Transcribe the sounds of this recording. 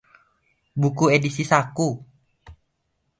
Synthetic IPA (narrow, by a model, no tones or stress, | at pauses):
bukuedisisaku